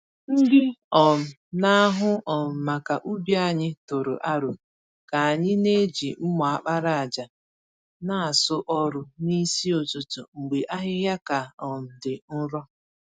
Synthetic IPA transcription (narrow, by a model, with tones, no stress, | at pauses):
n̩˦dɪ˦ɔ˨m̩˨na˦a˦ɦʊ˦ɔ˨m̩˨ma˨ka˨ʔu˦bi˦a˦˨ɲɪ˦tʊ˨ɾʊ̰˨ʔa˦ɾʊ˨ | ka˨a˨ɲɪ˦ne˦d͡ʒi˨m̩˦mɔ˨a˨k͡pa˦ɾa˦a˨d͡ʒa˨ | na˨a˨sʊ˦ʔɔ˦ɾʊ˦ni˦si˦o˨tʊ˨tʊ̰˨ŋ͡m̩˨ɡ͡be˨ʔa˦ɦɪ˦ja˦ka˨ɔ˨m̩˨dɪ˨n̩˦ɾɔ˦